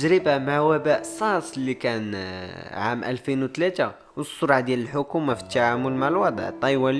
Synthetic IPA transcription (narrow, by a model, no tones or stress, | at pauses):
ʒɾəbamaʕwæbæʔsˤɑsˤlːikæn | ʕa̰mʔæ̰lfinwt̪læt̪a | wsˤːʊɾˤʕd̪jæləlħʊkumafi̥t̪ːaʕamʊlmaʕəlwɑd̪ˤʕt̪ˤːɑjwæl